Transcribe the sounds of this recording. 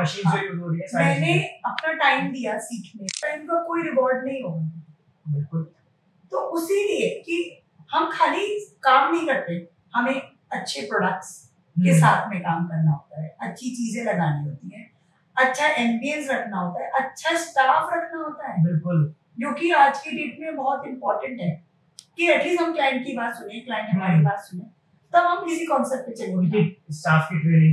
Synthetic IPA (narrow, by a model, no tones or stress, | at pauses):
ʃiɦãoiʊɾoɾmɛ̃ːneɐpnaʈaːɪmd̪ijasiːkʰnẽpɐɾɪnkokoːiɾɪkɔːɾɖnɐɦĩɦoː | bɪlkʊl | t̪oːʔʊsilieki | hɐmkʰaːlikaːmnɐɦĩkɐɾt̪eɦɛ̃ | hɐmẽ | ɐtːʃʰepɾoːɖək̚ʈs | kesaːt̪ʰmẽkaːmkɐɾnaɦoːt̪aɦɛʔɐtːʃʰit͡ʃiːzẽlɐɡaːniɦoːt̪iɦɛ̃ː | ɐtːʃʰaʔɛːnbiənsɾɐkʰnaɦoːt̪aɦɛʔɐtːʃʰasʈaːfɾɐkʰnaɦoːt̪aɦɛːbɪlkʊl | d͡ʒõːkiaːd͡ʒkiɖeːʈimẽbɐɦɔt̪ɪ̃mpɔːɾʈə̃ɳʈɦɛː | kiɐʈliːsɦɐmklaːjɪɳʈ̚kibaːt̪sʊnẽklaːɪ̃ɳʈɦɐmaːɾkipaːssʊnẽɛ̃ | t̪ɐbɐmkɪsikɔ̃ːnsɛp̚ʈ̚pet͡ʃɐleɦot̪ːsaːfkiʈɾeːnɪ̃